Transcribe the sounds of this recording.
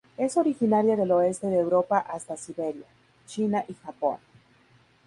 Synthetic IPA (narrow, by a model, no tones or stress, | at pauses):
e̞so̞ɾixinaɾjaðe̞lo̞e̞st̪e̞ðeeːwɾo̞paʔast̪asiβe̞ɾja̰ | t͡ʃinaʔixapo̞̰n